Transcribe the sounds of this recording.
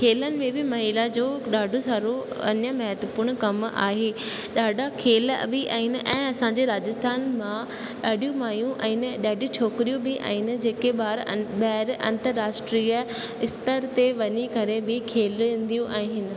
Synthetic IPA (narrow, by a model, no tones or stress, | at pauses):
kʰeːlənɪ̆mẽbɪmɐɦiːlad͡ʑoːɗaːɖʱõsaːɾo | ɐ̰ɲəmɐɦət̪əpuːɽkɐma̰ːɦeː | ɗaːɖʱakʰeːlɐ̰biʔa̰ːɦɪnɪ̆ʔɛ̃ːɐsãɲd͡ʑeɾaːd͡ʑəst̪ʰaːnmã | ɗaːɖʱijũmaːjũʔãɦɪnɪ̆ɗaːɖʱijũt͡ɕʰoːkɾijũbɪʔa̰ːɦɪnɪ̆d͡ʑeːkeɓaːɾɓɐɦɪɾɐ̰̃nt̪əɾːaːsʈɾiə | ɪst̪əɾt̪eʋɐɲikɐɾebɪkʰeːl̃ːnd̪ijũʔaːɦɪnɪ̆